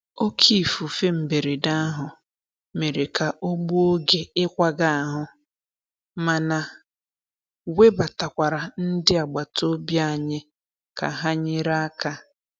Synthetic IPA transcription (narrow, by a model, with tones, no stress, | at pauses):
o˦kʰi˦˨fu˨fe˦m̩˨be˨ɾe˨da˦a˦ɦʊ˨ | me˨ɾe˨ka˨ʔo˦ɡ͡bu˦o˦ɡe˦ɪ˦kʷa˦ɡa˦a˨ɦʊ˨ | ma˨na˨ | we˦ba˨ta˨kʷa˨ɾa˨n̩˦dɪ˦a˨ɡ͡ba˨to˦bja˦˨ɲɪ˦ | ka̰˨ɦa˦ɲɪ˦ɾa˦a˦ka˦